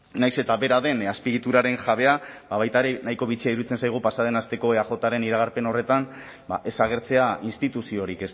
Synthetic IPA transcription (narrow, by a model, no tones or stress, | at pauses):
najse̞t̪aβe̞ɾaðe̞naspiɣit̪uɾaɾe̞nʝaβe̞abaβajt̪aeɾe̞najko̞βit͡siaiɾuit͡se̞nsajɣ̞upasað̞e̞nast̪e̞ko̞aʝo̞t̪aɾe̞niɾaɣ̞aɾpe̞no̞re̞t̪an | baʔe̞saɣ̞e̞ɾt͡se̞ainst̪it̪usio̞ɾike̞s